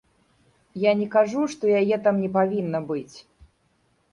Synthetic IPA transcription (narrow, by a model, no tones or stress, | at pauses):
janʲɛkaʐuʂt̪ɔjajɛt̪amnʲɛpavʲinːɐbɨt͡sʲ